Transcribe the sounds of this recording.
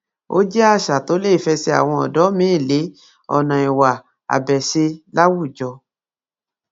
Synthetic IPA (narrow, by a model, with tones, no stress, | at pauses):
o̰˦d͡ʒɛ˦a˦˨ʃa˨to˨˦le˦i˦˨fɛ˧sɛ˧a̰˨w̃ɔ̃˧ɔ˨dɔ˨˦mĩ˦i˦˨le˨˦ | ɔ̰˨nã˨i˨wa˨ | a̰˨bɛ˨se˧la˦wu˦˨d͡ʒɔ˧